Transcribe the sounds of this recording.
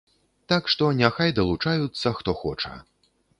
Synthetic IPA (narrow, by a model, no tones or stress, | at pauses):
t̪akʂt̪ɔnʲaxajd̪ɐlˠut͡ʂajut̪sːɐxt̪ɔxɔt͡ʂɐ̰